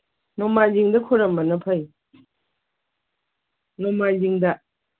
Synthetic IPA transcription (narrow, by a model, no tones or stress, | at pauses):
nɔmajziŋdɐkʰoɾɐmbɐnɐpʰɐj | nɔmajziŋdɐ